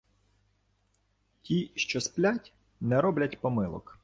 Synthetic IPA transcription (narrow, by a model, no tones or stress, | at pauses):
tʲiʃt͡ʃɔsplʲatʲ | nɛɾɔblʲɐtʲpɔmɪlˠɔ̰k